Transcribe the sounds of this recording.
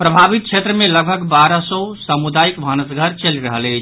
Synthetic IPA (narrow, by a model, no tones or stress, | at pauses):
pɾəbʱabit̪̚t͡ʃʰet̪ɾəmẽləɡ̚bʱəɡbaɾəsɔsəmud̪ajikbʱənəsɡʱəɾt͡ʃəliɾəɦəlɛt͡ʃʰ